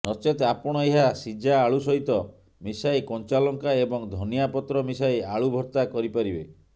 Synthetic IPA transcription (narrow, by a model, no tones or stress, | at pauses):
nɔt͡ʃet̪apɔɽ̃ɔeɦasid͡ʒaːɭusɔɦit̪ɔ | misajkɔnt͡ʃalɔŋkaebɔŋd̪ʱɔnijapɔt̪ɾɔmisajaɭubʱɔɾt̪akɔɾipaɾibe